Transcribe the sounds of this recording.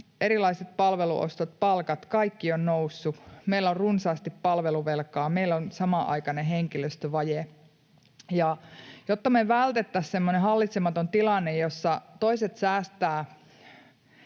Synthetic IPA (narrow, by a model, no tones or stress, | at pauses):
eɾilɑiset̪̚pɑlʋelṵʔo̰st̪ot̪̚pɑlkɑt̪kɑikːionnousːumeilːorrunsɑːst̪ippɑlʋeluʋelkɑːmeilːonsɑmɑʔɑ̰ikɑneɦeŋkiløst̪øʋɑje | jɑjot̪ːɑmeʋælt̪et̪ːæssemːonehɑlːit̪semɑt̪ont̪ilɑnːejjosːɑt̪oiset̪sæːst̪æː